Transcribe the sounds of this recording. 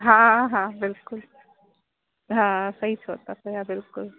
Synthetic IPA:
ɦãɦãbɪlkʊl | ɦãsəɦit͡sʰoːt̪at̪əɦabɪlkʊl

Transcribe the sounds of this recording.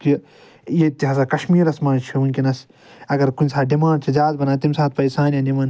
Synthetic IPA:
ki | jet̪iɦɐsakɐʃmiːɾɐsmaːnt͡ʃʰiunʲkinɐs | ɐɡɐɾkunʲsaːɖimãːɳɖ̚t͡ʃʰizaːzbɐnaːt̪imsaːt̪̚pɐjsaːnjãːnimɐn

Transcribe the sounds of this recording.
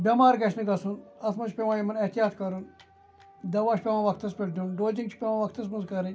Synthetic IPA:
bʲɐmaːɾɡɐʃʰnɨɡɐsunɐt̪ʰmɐt͡ʃʰpʲeʋãːjɐmɐnɐht̪jaːt̪kɐɾun | d̪ɐʋaːʃʰpʲemãːʋɐkʰt̪ɐspʲeʈd̪ʲunɖoːd͡ʒiŋt͡ʃʰi̥pʲemãːʋɐkt̪ɐs̬mɐnzkɐɾɨ

